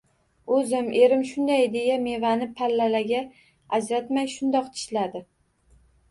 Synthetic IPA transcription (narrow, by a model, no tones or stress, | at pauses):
ɵzɪme̞ɾɪmʃʊnd̪ajd̪e̞jame̞vanɪpʰalːalaɡʲa | ad͡ʒɾat̪majʃʊnd̪ɒq̚t̪ʰɪ̥ʃlad̪ɪ